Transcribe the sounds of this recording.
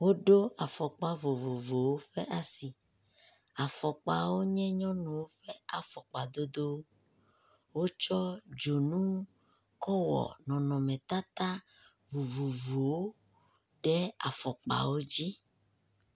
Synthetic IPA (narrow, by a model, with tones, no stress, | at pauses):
wo˦ɖo˦a˨fɔ˨k͡pa˦vo˨vo˨vo˨wo˦ɸɛ˦ʔa˨si˨ | a˨fɔ˨k͡pa̰˨wo˦ɲɛ̃˦ɲɔ̃˦nũ˨wo˦ɸɛ˦a˨fɔ˨k͡pa˨d̪o˦d̪o˦wo˦ | wo˦t͡ʃɔ˦d͡ʒo˨nũ˦ | kɔ˦wɔ̰˨nɔ̃˨nɔ̃˨mɛ̃˨t̪a˦t̪a˦ | vo˨vo˨vo˨wo˦ | ɖɛ˦a̰˨fɔ˨k͡pa̰˨wo˦d͡ʑi˦